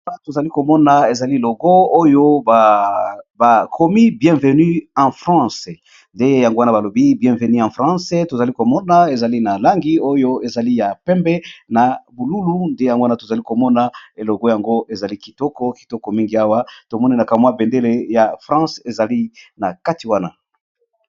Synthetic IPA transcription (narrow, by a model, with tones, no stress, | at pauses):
a˦to˨za˨li˦ko˨mɔ˦na˨e˨za˨li˦e˨lo˨ɡɔ˦o˦jo˦ | ba˨kʰo˨mi˦bjɛ̃˨ve˨ny˦ɑ̃˨fʁɑ̃˦˨s | nde˦ja˨ŋɡo˦wa˦naba˨lo˨bi˦bjɛ̃˨ve˨ni˦ã˨fʁɑ̃˦sɛ˦to˨za˨li˦ko˨mɔ˦na˦e˨za˨li˦na˨la˦ŋɡi˦o˦jo˦e˨za˨li˦ja˨pɛ˦mbɛ˦na˨bu˨lu˦lu˦nde˦ja˨ŋɡo˦wa˦na˦to˨za˨li˦ko˨mɔ˦na˨e˨lo˨ɡɔ˦ja˨ŋɡo˦ʔe˨za˨li˦ki˨tɔ˦kɔ˦ki̥˨tɔ˦kɔ˨mi˦ŋɡi˨a˦wa˦to˨mɔ˦ni˦na˨ka˨mwa˦bɛ˨nde˦le˦ja˨fʁɑ̃˦se˨za˨li˦na˨ka˦ti˨wa˦na˨